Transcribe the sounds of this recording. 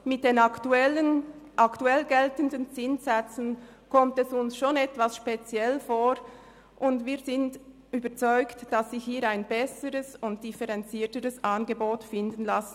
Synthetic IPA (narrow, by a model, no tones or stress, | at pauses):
mɪt̚d̥eːnaktuɛlənʔaktuɛlɡɛltəndənt͡sɪnzɛt͡sn̩ | kʰɔmtɛsʊnsʃoːnɛtv̥asʃpet͡sjɛlfoːɾ | ʔʊndviːɐzɪnd | yːbət͡sɔʏktd̥asːiːhiːɾaɪnbɛsəɾəsʊnt̚d̥ifɛʁɛnt͡siːtəɾəsʔanɡəboːtfɪndən̩lasn̩